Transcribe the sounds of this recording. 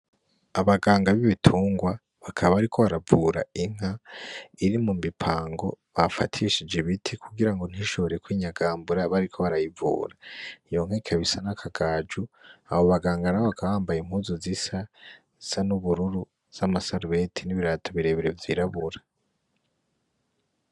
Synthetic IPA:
aβaɡaːŋɡaβiβitʰuːŋɡwa | βakʰaβaβaɾikʰo̞βaɾavuːɾa̰iŋ̥aiɾimumipʰaːŋɡo̞βafa̰tʰiʃid͡ʒeβitʰikʰuɡiɾaŋɡo̞n̥hiʃo̞βo̞ɾe̞kwiːɲaɡaːmbuɾaβaɾikʰo̞βaɾajivṵːɾaijo̞ŋ̥hekʰaβisanakʰaɡaːd͡ʒua̰βoβaɡaːŋɡanaoβakʰaβaːmbajimhuzozisa | z̥anuβuɾuɾu | z̥amasaɾβetʰiniβiɾatʰoβiɾe̞βeɾe̞vjiɾaβuɾḁ

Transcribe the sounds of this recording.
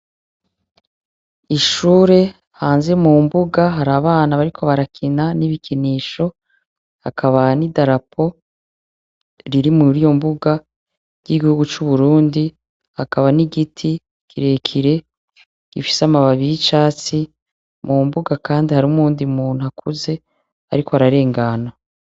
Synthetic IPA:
iʃuːɾe̞ | haːnze̞mumbuɡaɦaɾaβaːnaβaɾikʰo̞βaɾakʰinaniβikʰiniːʃo̞ | hakaβanidaɾapʰo̞ | ɾiɾimuɾijo̞mbuɡa | ɟ̥iɡihuɡut͡ʃuβuɾuːndi | hakaβaniɡitʰi | kʰiɾe̞kʰiɾe̞ | ɡ̥ifi̥samaβaβiit͡ʃaːt͡si | mumbuɡakaːndihaɾumuːndiumuːn̥uhakʰuze̞ | a̰ɾiko̞aɾaɾe̞ːŋɡana

